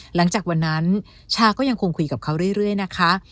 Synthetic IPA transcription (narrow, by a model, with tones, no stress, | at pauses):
la˩˦ŋt͡ɕaː˨˩kwa˧nːa˦˥n | t͡ɕʰaː˧kɔː˥˩ja˧ŋkʰoː˧ŋkʰu˧jka˨˩p̚kʰa˦˥wɾɯ˥˩əjɾɯ˥˩əjna˦˥kʰa˦˥